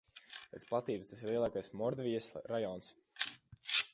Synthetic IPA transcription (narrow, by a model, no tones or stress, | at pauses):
pɛːt̪splˠat̪iːbəst̪asiɾlˠiɛlˠaːkajsmɔɾd̪vʲijəsɾajɔːns